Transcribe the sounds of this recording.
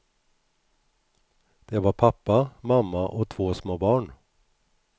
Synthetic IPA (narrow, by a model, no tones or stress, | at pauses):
d̪̥eːʋɑːɾpʰɑpɑmɑmɑʔoːt̪ʰʋoːsmoːbɑːɳ